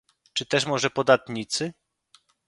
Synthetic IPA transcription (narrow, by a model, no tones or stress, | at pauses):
t͡ʂɘt̪ɛʂmɔʐɛpɔd̪at̪ɲit̪sɘ